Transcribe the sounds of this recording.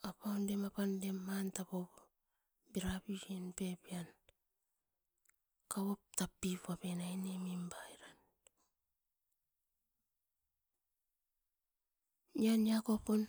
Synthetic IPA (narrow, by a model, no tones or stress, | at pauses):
apawndemapandemːantapo | biɾapid͡ʒenpepian | kawoptapːipapenajnemimbajɾan | ianiakopon